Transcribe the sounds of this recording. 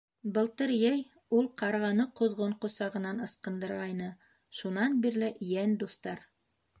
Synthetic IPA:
bɤ̆lˠt̪ɤɾjæj | ulˠqɑɾʁɑnɤqŏðʁoɴqŏsɑʁɤ̆nɑnɤ̆sqɤ̆nd̪ɤ̆ɾʁɑjnɤ | ʃunɑnbiɾlɘjænd̪uθt̪ɑɾ

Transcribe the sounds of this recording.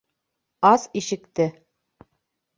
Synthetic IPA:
ɑsiʃɘ̆kt̪ɘ

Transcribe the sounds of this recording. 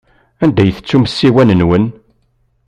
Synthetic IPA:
ænd̪æjθə̥t͡sːuməsːiwænənwən

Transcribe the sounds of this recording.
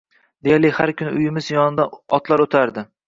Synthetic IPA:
d̪ejaɾlɪhaɾkʰʲʊnɪʔʊjɪmɪzjɒnɪd̪aɒt̪ʰlaɾot̪ʰaɾd̪ɪ

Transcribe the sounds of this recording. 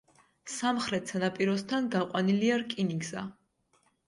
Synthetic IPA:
samχɾɛt̪ʰsʰanapʼiɾɔst̪ʰanɡaqʼwaniliaɾkʼiniɡza

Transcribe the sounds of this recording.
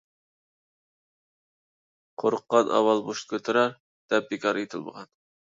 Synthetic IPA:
qʰoɾəqːɑnʔɑ̰wɑlˠboʃt̪̚kʲʰøt̪ʰɨɾɑɾ | d̪̥ɛp̚b̪ikʲʰɑɾet̪ʰɪlˠmə̰ʁɑn

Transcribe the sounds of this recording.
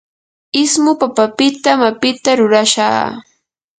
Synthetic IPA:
ɪsmʊpapapɪt̪amapɪt̪aɾʊɾaʃa̰ː

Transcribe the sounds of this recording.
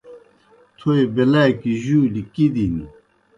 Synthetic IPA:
t̪ʰoebelajkiʑuːlikid̪ini

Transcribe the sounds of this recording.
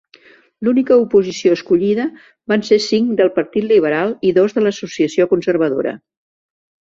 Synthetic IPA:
lunikəupuzisioəskuʎiðə | bansesiŋd̪əlˠpəɾt̪it̪liβ̞əɾalˠiðozðələsusiəsiokunsərβ̞əðo̰ɾə̰

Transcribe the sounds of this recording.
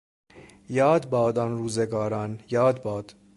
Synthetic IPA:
jɒːd̪bɒːd̪ɒnɾuːzeɡɒːɾɒːnjɒːd̪bɒːd̪̥

